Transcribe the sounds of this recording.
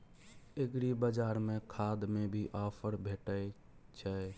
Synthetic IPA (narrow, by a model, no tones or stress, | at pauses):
eɡɾibəd͡ʒaːɾmẽkʰaːd̪mẽbʱiʔaːpʰəɾbʱeːʈə | t͡ʃʰə